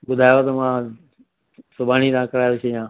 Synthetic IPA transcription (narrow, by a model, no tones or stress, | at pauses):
ɓʊd̪ʱaːjot̪əmãː | sʊbʱaːniːt̪ãːkəɾaːjot͡ʃʰejãː